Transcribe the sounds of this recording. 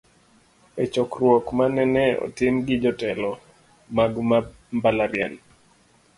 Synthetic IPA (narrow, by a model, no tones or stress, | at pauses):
ɛt͡ʃɔkrwɔkmanɛnɛɔ̰tɪmɡɪd͡ʒɔtɛlɔ | maɡma | mbalaɾɪa̰n